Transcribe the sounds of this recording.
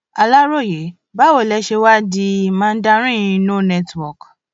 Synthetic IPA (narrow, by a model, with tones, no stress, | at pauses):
a˧la˦ɾo˦˨je˨˦ | ba˦wo˦˨lɛ˧˦ʃe˧wa˦di˧˦˧mãː˦n̩˦da˧ɾ̃ĩ˦ĩ˧nõ˦nɛ˦twɔ˨k